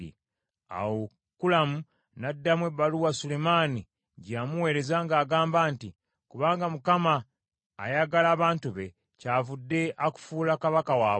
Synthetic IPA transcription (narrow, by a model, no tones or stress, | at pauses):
ḭ | a̰wo | kulamu | nadːamweβaluwasule̞maːni | ɟamuwe̞ːɾe̞zaŋɡaːɡaːmbaːnti | kuβaːŋɡamukama̰ː | jaɡalaːβaːntuβe̞ | caːvudːe̞ʔaku̥fuːlakaβakawaː